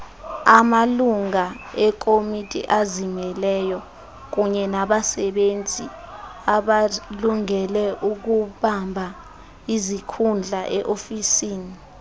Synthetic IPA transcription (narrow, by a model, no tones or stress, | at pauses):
amaluŋa | ɛkʰʼomitʼḭʔazimɛlɛjɔ | k̬uɲɛnaɓasɛɓent͡sʼi | aɓaluŋɛlɛʔuk̬uɓambʱa | izikʰund͡ɮʱaʔɛʔofisiːni